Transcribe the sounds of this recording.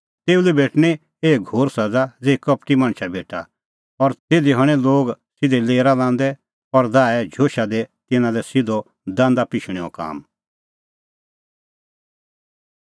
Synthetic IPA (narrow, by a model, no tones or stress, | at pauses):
t̪eːulibeːʈñɛ | eːɡʱoːɾsɐd͡zad͡zeːkɐpʈimãːɳ̃ʃʰabeːʈʰa̰ | ɔɾt̪eːd̪iɦɐɽ̃ɛ̃loːɡsɪd̪ɛleːɾalãːn̆d̪ɛ | ɔɾd̪aːɛd͡ʒʱoːʃad̪ɛt̪ɪnãlɛsɪd̪ɔ | d̪ãːnd̪apɪʃɽ̃ɛɔ̰ka̰ːm